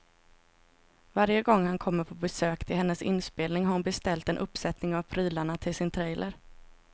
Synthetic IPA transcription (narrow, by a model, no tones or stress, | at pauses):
vaɾjəɡɔŋːhankʰɔmːəɾpʰɔbɛsøːkt̪ʰɪlɦɛnːəsɪ̰nːspeːlnɪŋɦaɾʊnbɛst̪ɛlt̪ɛnʔɵpːsɛt̪nɪŋavpʰɾyːlaɳat̪ʰɪlsɪnt̪ʰɾɛjlʔəɾ